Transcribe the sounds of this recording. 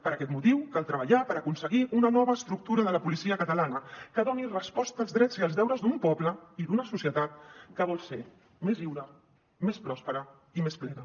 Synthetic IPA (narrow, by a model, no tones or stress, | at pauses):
pəɾakɛt̪mut̪iwkalˠt̪ɾəβəʎapəɾəkunsəɣiʔunənɔβəːst̪ɾuk̚t̪uɾəðələpulisiəkət̪əlanəkəðɔnirəspɔst̪əːlˠzðɾɛziəlˠzðɛwɾəzd̪umpɔpləiðunəsusjət̪at̪̚kəβɔlˠse | meziwɾə | mespɾɔspəɾə | imesplɛnə